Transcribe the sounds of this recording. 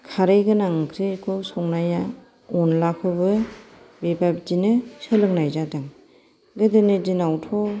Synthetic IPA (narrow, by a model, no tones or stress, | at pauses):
kʰaɾɯjɡɯnaŋkʰɾikʰɔsɔŋnaja | ɔnlakʰɯbɯ | bibap̚d͡ʒinɯsɯlɯŋnajzadaŋ | ɡɯdɯnɯdinawtʰɔ